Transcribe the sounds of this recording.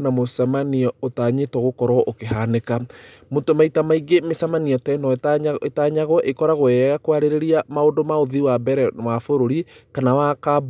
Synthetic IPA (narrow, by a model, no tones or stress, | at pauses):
namosamaniɔotaɲetwɔɣokɔɾɔʔokeɦanekamotomaitamaiɡemesamaniɔtɛnɔetaɲaɣɔʔekɔɾaɣwɛɣakwaɾeɾeɾiamaondomaoðiwabɛɾɛwafoɾoɾikanawakab